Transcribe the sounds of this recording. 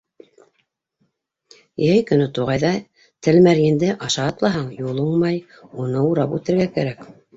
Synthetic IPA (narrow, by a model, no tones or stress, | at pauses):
jæjkɵ̆nɵt̪uʁɑjðɑ | t̪ɘlmæɾjĭnd̪ɘʔɑʃɑɑt̪lˠɑɦɑɴjulˠuɴmɑj | unɤuɾɑpʉt̪ɘ̆ɾɡækæ̰ɾæk